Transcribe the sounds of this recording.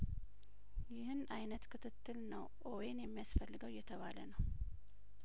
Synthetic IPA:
jɪhɨnʔajnət̪kʰɨt̪ʰɨt̪ːɨlnəwʔowenjɛmːijasfəlːɨɡəwjɛt̪ʰəβalənəw

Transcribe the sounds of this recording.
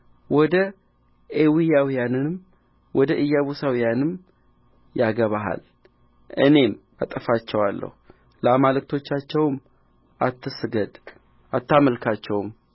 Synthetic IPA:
wɔd̪ə | ʔewijawijanɨm | wɔd̪əʔɨjːaβusawijanɨm | jaɡəβaɦa̰l | ʔɨne̞m | at̪ʼəfat͡ʃːɛwalːə̰hu | ləamalɨkt̪ʰo̞t͡ʃːat͡ʃːɛwm | ʔat̪ːɨsɡəd̪ | at̪ːaməlkʰat͡ʃːɛwm

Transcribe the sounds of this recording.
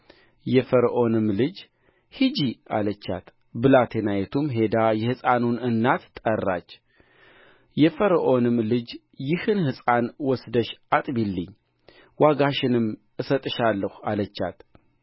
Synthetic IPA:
jɛfəɾʔo̞nɨmlɨd͡ʒ | hɨd͡ʒia̰lət͡ʃːa̰t̪ | bɨlat̪ʰenajɛt̪ʰumɦe̞d̪ajɛhɨsʼanunɨnːat̪ːʼərːa̰t͡ʃː | jɛfəɾʔo̞nɨmlɨd͡ʒ | jɪhɨnhɨsʼanwɔsd̪əʃʔat̪ʼbilːɨɲː | waɡaʃɪnɨmʔɨsət̪ʼɨʃalːəhʷalət͡ʃːa̰t̪

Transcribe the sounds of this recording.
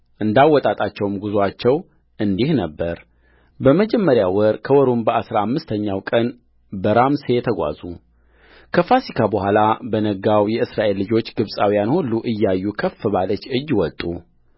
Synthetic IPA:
ʔɨnd̪awːɔt̪ʼat̪ʼat͡ʃːɛwmɡuzat͡ʃːɛw | ʔɨnd̪ihnəbːəɾ | bəməd͡ʒɛmːəɾjawɔɾkʰəwɔɾumbəasɾaamːɨst̪ʰəɲːawkʼən | bəɾamsejɛt̪ʰəɡʷa̰zu | kʰəfasikʰabəhʷalabənəɡawjɛɨsɾaʔe̞lːɨd͡ʒo̞t͡ʃːɡɨβsʼawijanhulːuʔɨjːajːukʰəfːɨβalət͡ʃːɨjːwɔt̪ʼːu

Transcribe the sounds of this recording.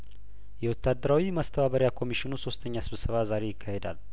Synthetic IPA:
jɛwɔt̪ʰːad̪ːəɾawimast̪ʰəβaβəɾjakʰo̞miʃinuso̞st̪ʰəɲːasɨβsəβazaɾe̞jɪkʰːahe̞d̪a̰l

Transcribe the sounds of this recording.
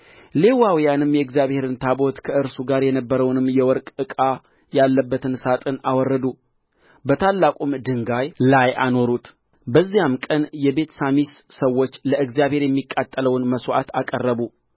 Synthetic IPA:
le̞wawijanɨmjɛɨɡzjaβhe̞ɾɨnt̪ʰabo̞t̪kʰəɨɾsuɡaɾjɛnəbːəɾəwnɨmːjɛwɔɾkʼɨkʼa | jalːəbːət̪ɨnsat̪ʼɨnawɔrːəd̪u | bət̪ʰalːakʼumd̪ɨŋɡajlaja̰no̞ɾut̪ | bəzːijamkʼənjɛbe̞t̪samissəwːo̞t͡ʃːləʔɨɡzijaβhe̞ɾjɛmːikʼːat̪ʼːələwnməswʔa̰t̪akʼərːəβu

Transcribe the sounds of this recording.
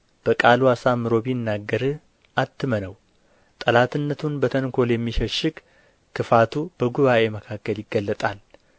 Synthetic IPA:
b̥əkʼaluasamːɨɾo̞βinːaɡːəɾɨ | ʔat̪ːɨmənəw | t̪ʼəlat̪ʰɨnːət̪ʰunbət̪ʰənkʰo̞ljɛmːiʃəʃɨk | kːɨfat̪ʰub̥əɡuβaʔe̞məkʰakːəljɪɡːəlːət̪ʼal

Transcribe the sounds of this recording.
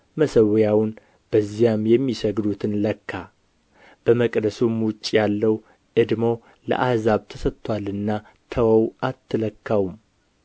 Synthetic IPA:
məsəwjawʊn | b̥əzːijamjɛmːisəɡd̪ut̪ʰɨnləkːa | b̥əməkʼd̪əsumwʊt͡ʃʼːjalːəw | ʔɨd̪mo̞ | lə̰ʔahzaβt̪ʰəsət̪ʰʼːwalɨnːa | t̪ʰəwəwʔat̪ʰːɨləkʰːawum

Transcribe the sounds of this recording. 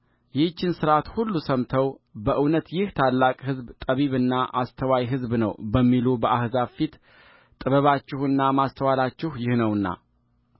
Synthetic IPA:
jɪt͡ʃːɪnsɨɾat̪hulːusəmt̪ʰəwbəʔɨwnət̪jɪht̪ʰalːakʼhɨzbt̪ʼəβiβɨnːaʔast̪ʰəwajɦɨzbnəwbəmːilubəʔahzafit̪ | t̪ʼɨβəβat͡ʃːɪhɨnːamast̪ʰəwalat͡ʃːɪhjɪhnəwɨnːa̰

